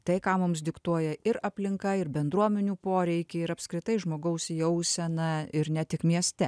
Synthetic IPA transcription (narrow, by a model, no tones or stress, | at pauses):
t̪ɐɪkɑːmʊmsd̪ʲɪkt̪uɔjɛɪɾɐpʲlʲɪŋkɐɪɾbʲɛnd̪ɾuɔmʲɛnʲuːpoːɾʲɛɪkʲɪɪɾɐpskɾʲɪt̪ɐɪʒmoːɡɐʊsjɛʊsʲɛnɐɪɾnʲɛt̪ʲɪkmʲiɛsʲt̪ʲɛ